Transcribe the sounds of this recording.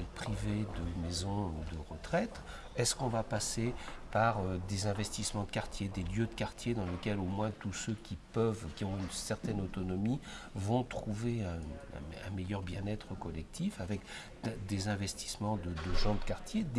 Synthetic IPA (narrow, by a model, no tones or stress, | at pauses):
lpχived̪əmezɔ̃ud̪əʁət̪χɛt̪ | ɛskɔ̃vapasepaʁød̪ezɛ̃vɛst̪ismɑ̃d̪əkaʁt̪jed̪eljød̪əkaʁt̪jed̪ɑ̃ləkʲɛlomwɛ̃t̪usøkʲipœvkʲiɔ̃ynsɛʁt̪ɛnot̪ɔnɔmivɔ̃t̪χuveɛ̰̃ɛ̰̃mɛjœʁbjɛ̃nɛt̪χəkɔlɛk̚t̪ʰifavɛk̪ | d̪ezɛ̃vɛst̪i̥smɑ̃d̪əd̪əʒɑ̃d̪əkaʁt̪jed̪